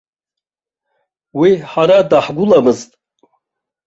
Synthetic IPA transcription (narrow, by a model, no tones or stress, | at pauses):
wiħaɾadaħɡʷʊlamɨztʼ